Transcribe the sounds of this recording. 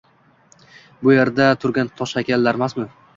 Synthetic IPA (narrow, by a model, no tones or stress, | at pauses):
bʊjeɾd̪at̪ʰʊɾɡʲant̪ʰɒʃakʲalːaɾmasmɪ